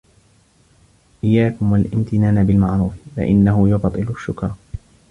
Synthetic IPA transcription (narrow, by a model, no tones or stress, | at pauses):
ʔɪjːaːkʊmwalʔɪmt̪ɪnaːnabɪlmaʕɾuːffa̰ʔɪnːaɦʊjʊfɑt̪ˤːɨlʊʃːʊkɾˤ